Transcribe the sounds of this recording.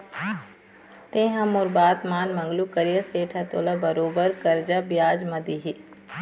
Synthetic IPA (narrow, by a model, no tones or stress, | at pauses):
t̪ẽɦɐ̃mʊɾbaːt̪maːnmɐ̃ŋɡlukɐɾijəseːʈʰat̪oːlabɐɾoːbəɾkɐɾd͡ʒabjaːd͡ʒmɐd̪iɦi